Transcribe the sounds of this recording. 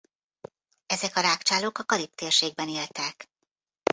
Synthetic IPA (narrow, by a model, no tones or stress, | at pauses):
ɛzɛkɒɾaːkt͡ʃaːloːkɒkɒlip̚t̪eːrʃeːɡ̚bɛnilt̪aːk